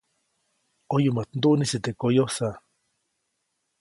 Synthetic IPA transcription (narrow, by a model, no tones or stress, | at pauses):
ojumat̪̚nd̪uʔnisit̪ekojosa